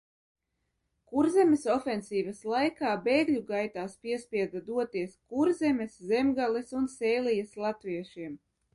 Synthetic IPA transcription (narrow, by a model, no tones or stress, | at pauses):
kuɾzɛmʲesɔfensiːvaslˠajkaːbeːɡlʲuɡajt̪aːspʲiɛspʲiɛd̪ad̪uɔt̪iɛskuɾzʲemʲɛszemɡalˠisunsɛːlijaslˠat̪viɛʃiɛm